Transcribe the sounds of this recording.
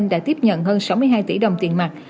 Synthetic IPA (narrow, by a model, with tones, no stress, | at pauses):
nɗa̰ː˧˥t̪i˦˥əp̚ɲə̰˧˨nɦəː˧nsa˨˦wmɨ˧əjɦaː˧jt̪ḭ˧˩ɗə˨˩wŋ͡mt̪i˨˩ənmaː˨˩t̚